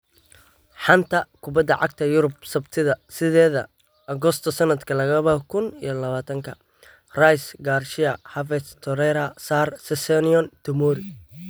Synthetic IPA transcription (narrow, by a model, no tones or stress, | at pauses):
ħɑnt̪ʰɐkʰʊbɐd̪ɐʕɑɡ̚t̪ʰɐjʊɾʊb̚sɐbt̪ʰɪðɐsɪðɛːðɐ | ʔɐɣɔst̪ʰɐsɐnɐd̪kʰɐlɐɣɐβɐhkʰʊnḭjɞlɐβaːt̪ʰɐŋkʰɐ | rajsɡaːrʃɪɐhɐvɛst̪ʰɔɾɛɾɐsaːrsɛsɛnɪɔnt̪ʰɪmɔɾɪ